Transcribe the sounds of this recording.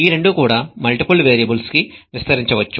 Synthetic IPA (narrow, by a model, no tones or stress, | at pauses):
iːɾe̞ɳɖukuːɽaːmɐlʈipulʋeːɾijɐbulskiʋist̪ɐɾiɲt͡ʃɐʋɐt͡ʃːu